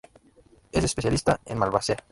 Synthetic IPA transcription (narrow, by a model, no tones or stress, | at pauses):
esespeθjalist̪aḛnmalβasea